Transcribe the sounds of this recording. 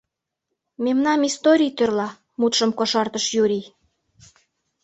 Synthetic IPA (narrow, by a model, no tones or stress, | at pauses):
memnɑmist̪oɾʲijt̪ørlɑ | mut̪ʃə̆mkoʃɑrt̪əʃjuɾʲi